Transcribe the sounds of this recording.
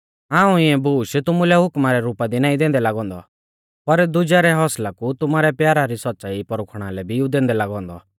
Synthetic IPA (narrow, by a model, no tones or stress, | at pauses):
ãːũɪɛ̃buːʃt̪ʊmulɛɦʊkmaɾɛɾuːpad̪inãːĩd̪ẽːnd̪ɛlaːɡɔ̃ːnd̪ɔ̰ | pɐɾd̪ʊd͡ʒaːɾɛɦɔːslakut̪ʊmaːɾɛpjaːɾaɾisɔt̪̚ːt͡ʃaːipɔɾʊkʰɽ̃alɛbʱiud̪ẽːnd̪ɛlaːɡɔ̃ːnd̪ɔ̰